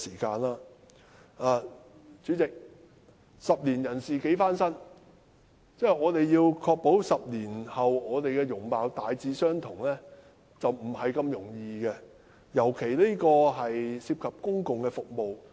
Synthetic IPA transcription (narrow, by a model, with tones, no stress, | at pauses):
siː˨˩kaː˧nlaː˥ | aː˨ | t͡syː˨˥t͡sɪ˨k̚ | sɐ˨p̚liː˨˩njɐ˨˩nsiː˨ke˨˥jfaː˥nsɐ˥n | t͡sɛː˥˩jɔː˨˧t̪e˨jːiː˧wkʰɔː˧k̚po˨˥wsɐ˨p̚liː˨˩nhɐ˨wɔː˨˧t̪e˨jkɛː˧jʊ˨˩ŋpaː˨˧wt̪aː˨jt͡siː˨˧sœː˥ŋt̪ʰʊ˨˩ŋlɛː˥ | t͡sɐ˨wm̩˨˩hɐ˨jkɐ˧mjʊ˨˩ŋjiː˧kɛ˧ | jɐ˨˩wkʰe˨˩jle˥kɔː˧ɦɐ˨jsiː˧p̚kʰɐ˨p̚kʊ˥ŋkʊ˨ŋkɛː˧fʊ˨k̚mo˨w